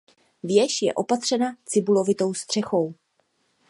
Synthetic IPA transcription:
vjɛʃjɛ̰ʔo̞pat̪r̥ɛnat͡sɪbulo̞vɪt̪o̞wst̪r̝̥ɛxo̞w

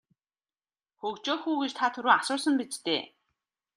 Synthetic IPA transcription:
xɵkt͡ɕoːxuːɣĕt͡ɕt̪ʰaːt̪ʰɵɾuːasʊːsə̆mpit͡ɕt̪ḛː

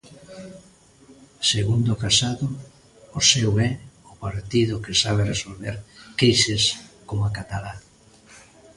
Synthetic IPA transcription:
seɣund̪ʊkasaðʊ | osɛwɛʊpaɾt̪iðʊkesaβ̞eresolβeɾkejsɪskomakat̪ala

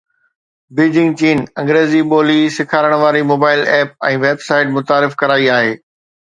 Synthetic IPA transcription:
biːd͡ʑɪ̃ŋɡt͡ɕiːnɐ̃ŋɡɾeːziɓoːlisɪkʰaːɾəɽ̃ʋaːɾimoːbaːɪlɛːp̚ɛ̃ːʋeːbsaːɪʈmʊt̪aːɾɪfkɐɾaːiaːɦeː

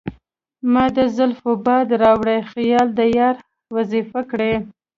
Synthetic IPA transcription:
mɑd̪əzʊlfʊbɑd̪ɾɑwɽajxjɑld̪əjaɾ | wazifakɽe

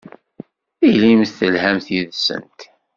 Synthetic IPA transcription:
ilimθθəlhæmθjiðsə̰nt̪

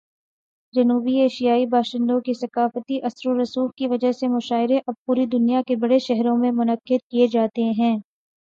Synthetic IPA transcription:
d͡ʒɐnuːbieːʃijaːibaːʃɪ̃nd̪õkisɐkaːfət̪iʔɐsɾoɾɐsuːxkiʋɐd͡ʒəɦsemʊʃaːɪɾẽʔɐb̚puːɾid̪ʊnijakebɐɽeʃɛɦɾõmẽmʊnɐqːɪd̪̚kied͡ʒaːt̪eɦɛ̃ː

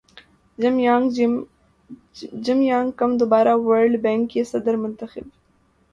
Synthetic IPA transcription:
mjaŋ | d͡ʒɪmjaːŋɡkɐmd̪ʊbaːɾaːwɐɾɖbɛ̃ːŋkjesɐd̪əɾmʊnt̪əxɪb

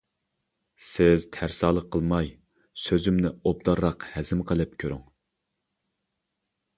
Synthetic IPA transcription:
sɪzt̪ʰæɾsɑːlˠəqʰːəlˠmɑj | søzymnɪob̚d̪ɑɾːɑqhɛzɪmqʰəlˠɨp̚kʲʰøɾyŋ

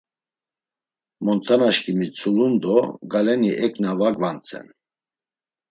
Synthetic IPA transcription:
mɔnt̪ʰanaʃkʰʼimit͡sʰulund̪ɔɡalɛniʔɛkʰʼnavaɡvant͡sʰʼɛ̰n

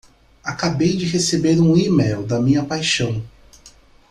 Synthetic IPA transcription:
akabejd͡ʒɪɦesebeɾũimejwd̪ɐmĩɲɐpajʃɐ̃w̃

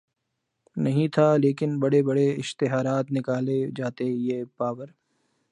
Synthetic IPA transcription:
nɐɦĩt̪ʰaleːkɪnbɐɽebɐɽeɪʃt̪ɪɦaːɾaːt̪nɪkaːled͡ʒaːt̪ejeːpaːʋəɾ

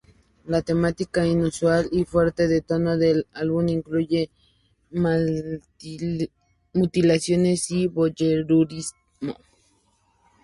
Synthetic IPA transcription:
lat̪emat̪ikainuswalifweɾt̪eðet̪onoðelalβuniŋkluʝe | mut̪ilasjonesiβoʝeɾuɾis | mo̰

